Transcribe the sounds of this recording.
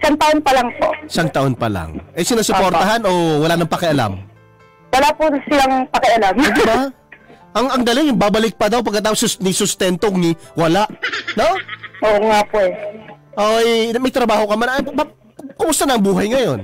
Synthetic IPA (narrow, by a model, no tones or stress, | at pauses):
ɪsaŋt̪ɐʔonpɐlɐŋpo̰ʔɪsaŋt̪ɐʔo̞npɐ̰la̰ŋʔɛsɪnasopoɾt̪ɐɦano̞wɐlaːnɐŋpɐkɛʔɐla̰m | wɐlapʊsɪlaŋpɐkɛʔɐlamd̪ɪɪba | ʔɐŋɐŋd̪ɐlɪŋjʊŋbabɐlɪk̚pɐd̪awp̬ɐɡkːɐt̪aːposɐsnɪsʊst̪ɛnt̪oŋniwɐlaʔno̞ʔoŋapoɛʔomɐjt̪ɾɐbaːhokɐmanɐjb | kʊmʊst̪ɐnɐʔɐŋbuːɦɐjŋɐjo̞n